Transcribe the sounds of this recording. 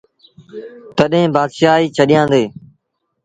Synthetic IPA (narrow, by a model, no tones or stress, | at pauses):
t̪əɗɦẽːbaːd̪ʃaːiːt͡ʃʰəɗɪjãːnd̪eː